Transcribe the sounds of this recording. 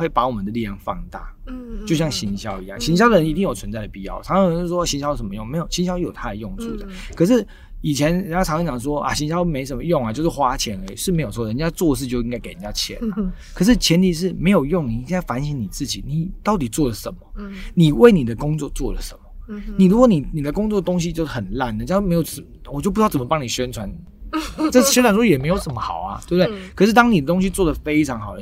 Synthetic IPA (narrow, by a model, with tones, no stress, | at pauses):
we˥˩ɪpa˧˥wɔ˨˩mə˦nd̪ə˦li˥˧ljɑ˥˧˩ŋfɑ̰˥˧ŋt̪a̰˥˩t͡ɕjo˥˧ʊɕjɑ˥˩ŋɕi˧˥ŋɕjɑ˥ʊi˧˥ja̰˥˩ŋɕi˧˥ŋɕjɑ˥ʊd̪ə˨ɻə˧˥ni˧t̪i˥˩ŋjo˨˩ʊt͡sʰwə˧˦nt͡sa˥˩d̪ə˩pi˥˧jɑ̰˥˩ʊʈ͡ʂʰɑ˨˥ŋ˥˧˥n̩˥˩wɔ˥˩ɕi˧˥ɕɑ˥ʊ˥˩ʂə˧˩mə˦jʊ˥˨ŋme˧˥ɪjo˨˩ʊɕi˧˥nɕjʊ˥jo˨˩ʊt̪ʰa˥˩d̪ə˨˩jʊ˥˧ŋt͡sʰṵ˥˩d̪ə̰˨˩ | kʰɤ˨˩ʂ̬ɻ̩˥˩ | i˨˩t͡ɕʰjɛ˧˦nʰ˨˩˥ŋnɑ˧˥ŋt͡ɕjɑ˨˩ə˧ʂ̬wɔ˦ʔa̰˨˩ɕi˧˥ŋɕjɑ˥ʊme˧˥ɪʂ̬ə˨˥nmə˧˦jʊ˥˩ŋa˨t͡ɕo˥˧ʊʂɻ̩˥˩xwa˥t͡ɕʰjɛ˧˥ne˧˦ɪʂɻ̩˥˩me˧˥ɪo˨ʊs̬wɔ˥˧˩ə˨ə˨˧˩t͡ɕa˥t͡swɔ˥˧dʂ̬ɻ̩˥˧t͡ɕjo˥˧ʊi˥ŋka˥ɪke˨˩ɪɻə˨nt͡ɕja˥t͡ɕʰjɛ̰˧˦nɐ˨kʰɤ˨˩ʂ̬̩˥˩t͡ɕʰjɛ˧˥nt̪ʰi˧˥ʂ̬ɻ̩˥˩me˧˥ɪjo˨˩ʊjʊ˥˨ŋni˨˩i˥ŋka˥˩ɪfa˧˦˥nɕi˧˥ŋni˨˩t͡sɹ̩˥˩t͡ɕi˨˩ni˨˩t̪ɑ˥˩ʊt̪̬i˨˩t͡swɔ˥˩lə˩ʂə˨˩nmə˦ni˨˩we˥˩ɪni˨˩d̪ə˦kʊ˥ŋt͡swɔ˥˧t͡swɔ̰˥˩lə˨˩ʂə˨˩˦mə˦ni˨˩ɻu˧˥kwɔ˧˦ni˨˩ni˨˩d̪ə˦kʊ˥ŋt͡swɔ˥˩d̪ə˩t̪o˥ŋɕ̬i˦t͡ɕjo˥˧ʊʂ̩˥˩xə˨˩nla˥˩n˨t͡ɕa˥˩me˧˥jo˨˩ʊ˨˩ | wɔ˨˩t͡ɕjpu˥˩t͡sə˨˩mə˦pɑ˥ŋni˨˩ɕɥɛ˥nt͡sʰwa˧˦n | ʈ͡ʂə˥ɕnʰa˨nu˥jɛ˨˩me˧˥ɪjo˧˩ʊʂə˨˩˦mə˦xɑ˨˩ʊa̰˨t̪wbt̪e˥˩ɪkʰɤ˨˩ʂ̬ɻ̩˥˩t̪ɑ˥ŋni˨˩d̪ə˦t̪o˥ŋɕi˧˥t͡swɔ˥˩d̪ə˩fe˥ɪʈ͡ʂʰɑ˧˥ŋxɑ˨˩ʊə˧